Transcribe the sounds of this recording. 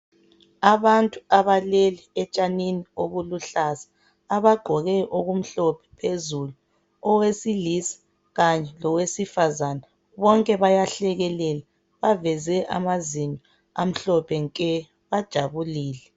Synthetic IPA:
aβantʼuaβaleliɛt͡ʃʼaninioɣuluɬasḁː | βaɡ͡ǃʱɔɣɛʔoɣum̩ɬɔpʰɛ̥pʰezulu | ɔwesilisi̥ | ɣaɲɛlɔwesifazana | βɔŋkʼɛβajaɬɛɣɛlɛla | βavɛzɛʔa̰mazinɔ | am̩ɬɔpʰɛŋkʼɛ | βad̥ʒ̥ʱaβuliːlɛ

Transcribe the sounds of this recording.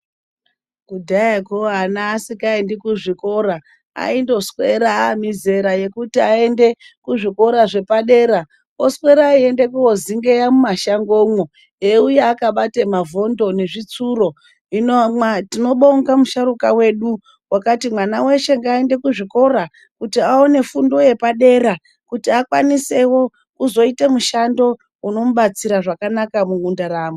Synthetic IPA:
kudʱajakoanaːsikaendekuʐiko̞ɾa | a̰indo̞sweɾaːmize̞ɾaje̞kutiae̞nde̞ | kuʐiko̞ɾaʐe̞paɗe̞ɾa | oswe̞ɾaie̞nde̞kuoziŋɡejamumaʃaŋɡo̞mwo | eujaːkaɓatemavo̞ndo̞ne̞ʐit͡suɾo̞ | inoatino̞ɓo̞ŋɡamuʃaɾukawe̞ɗu | wakatimwanawe̞ʃe̞ŋɡaende̞kuʐiko̞ɾa | kutiaone̞fundo̞je̞paɗe̞ɾa | kutiakwanise̞wo̞ | kuzo̞itemuʃando̞ | uno̞muɓat͡siɾaʐakanakamuŋundaɾaːmo

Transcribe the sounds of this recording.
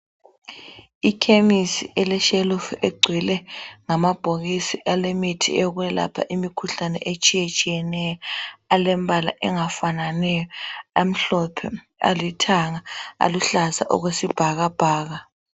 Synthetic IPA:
ikʰemisiʔɛlɛʃelufeɡ͡ǀʱwilɛŋamab̥ʱoɣisiʔalemitʰḭeɣuɛla̰pʰa̰ʔimikʰuɬanɛ̰ʔet͡ʃʼijet͡ʃʼijɛnɛjɔalɛmbʱala̰ʔɛŋafananɛjɔam̩ɬɔpʰɛ | a̰litʰaŋaa̰luɬaza̰ʔɔ̰ɣwesib̥ʱaɣab̥ʱaːɣa

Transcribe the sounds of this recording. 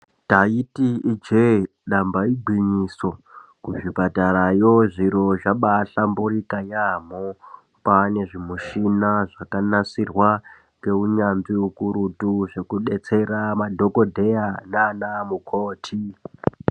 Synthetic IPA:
taitiid͡ʒe | ɗambaiɡʱwiɲiso̞kuʐipatarajo̞ʐiɾo̞ʐaɓaɬamburikajam̤o | pane̞ʐimuʃinaʐakanasirwa | ŋɡe̞uɲanziukuɾutuʐe̞kuɗe̞t͡se̞ramadʱo̞ko̞dʱe̞ananamukʰoːtʰi

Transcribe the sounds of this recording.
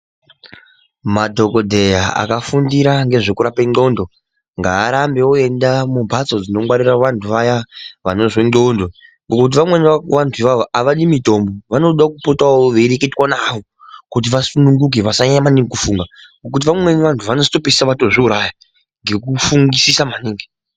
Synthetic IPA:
madʱo̞ko̞dʱe̞jaa̰kafundiɾaŋɡe̞ʐo̞kuɾapeŋ͡ǃo̞ndo̞ | ŋɡaːɾambe̞oe̞ndamubʱat͡so̞d͡zino̞ŋwaɾiraʋantʰuʋajaʋano̞ʐondondoŋɡokkut̬iʋamwe̞niʋantʰuiʋaoʔaʋaɗimito̞mboʋano̞ɗakupotaoʋeɾeketwanaʋo̞ | kut̬iʋasunuŋɡuk̬eʋasaɲamaniŋɡekufuŋɡaŋɡokut̬iʋamwe̞niʋantʰuʋano̞zito̞pisi̥saʋato̞ʐeuɾaja | ŋɡe̞kufuŋɡisisamaniːŋɡi

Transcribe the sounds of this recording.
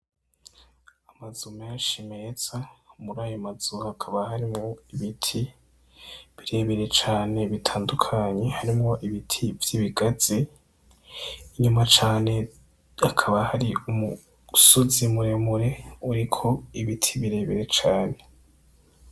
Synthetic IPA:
amazume̞ːnʃime̞ːz̥amuɾaːjomaz̥uhakʰaβahaɾimŋo̞iβitʰi | βiɾe̞βeɾe̞t͡ʃaːne̞βitʰaːndukʰaɲe̞haɾimŋo̞ʔiβitʰivjiβiɡaz̥e | iɲumat͡ʃaːne̞ | akʰaβahaɾiumu | sozimuɾemuɾe̞uɾikʰo̞iβitʰiβiɾe̞βeɾe̞t͡ʃaːne̞

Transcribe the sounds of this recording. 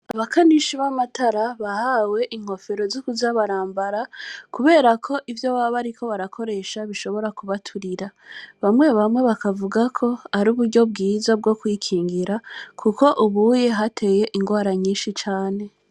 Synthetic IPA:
aβakaniʃiβamataɾaβahawe̞ʔiŋ̥ho̞fe̞ɾo̞zokuzaβaɾaːmbaɾakuβe̞ːɾakʰo̞ʔivjo̞βaβaɾikʰo̞βaɾakʰo̞ɾe̞ʃaβiʃo̞βo̞ɾakuβatʰuɾiɾaβamŋe̞βamŋe̞βakavuɡakʰo̞aɾuːβuɾɟo̞b̚ɡiːzab̚ɡo̞kwikʰiːŋɡiɾakʰuko̞ʔuβuje̞ɦatʰe̞je̞ʔiŋɡwaːɾaɲiːnʃit͡ʃaːne̞

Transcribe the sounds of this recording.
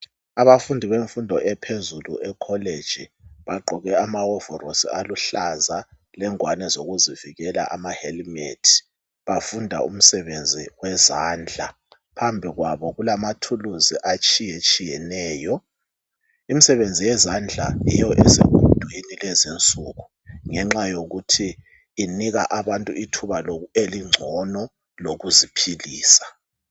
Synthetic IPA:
aβafundʱiβeɱfundʱɔʔɛpʰezulṵʔɛkʰɔled̥d͡ʒ̥ʱiβaɡ͡ǃʱɔɣɛamawɔvɔrosḭaluɬaza | lɛŋwanɛzoɣuziviɣɛla̰ʔamahelmetʰi̥ | βafundʱa̰ṵm̩sɛβend͡zʱiwɛzaːnd͡ɮʱa | pʰambʱiɣwaβɔɣulamatʰuluziʔat͡ʃʼijet͡ʃʼijɛnɛːjɔ | imisɛβend͡zʱijɛzand͡ɮʱa̰jḭjɔʔɛseβud̥ʱujinilɛzent͡sʼuɣu | ŋɛŋ͡ǁajoɣutʰiː | niɣa̰ʔaβantʼuitʰuβaloeliŋ͡ǀʱɔnɔ | loɣuzipʰiliːsḁ

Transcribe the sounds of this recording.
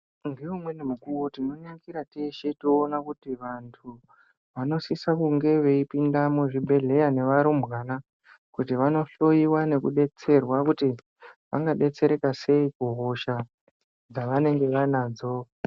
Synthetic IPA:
nɡeumwe̞nemukuwotino̞neŋɡiɾateʃetoːnakutiʋantʰu | ʋano̞sisakuŋɡe̞ʋe̞ipindamuʐibʱe̞ɮe̞jane̞ʋaɾomwana | kutiʋano̞ɬo̞jiwane̞kuɗe̞t͡se̞rwakuti | ʋa̰ŋɡaɗe̞t͡se̞ɾe̞kase̞ikuɦoʃa | d͡zaʋane̞ŋɡe̞ʋanaːd͡zo̞

